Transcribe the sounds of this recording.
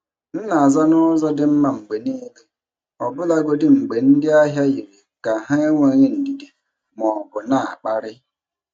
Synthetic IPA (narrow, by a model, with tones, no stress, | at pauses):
n̩˦na˨a˨za˦nɔ˦zɔ˦dɪ˦m̩˦ma˨ŋ͡m̩˨ɡ͡be˨niː˦le˨ | ɔ˨bʊ˦la˦ɡʷo˦dɪ˦ŋ͡m̩˨ɡ͡be˨n̩˦dɪ˦a˦ɦja˦ji˨ɾi˨ka˨ɦa˦e˦ŋʷe˦˨ɲɪ˦n̩˨di˨de˨ | mɔ˨bʊ˨na˦˨a̰˨k͡pa˦ɾɪ˦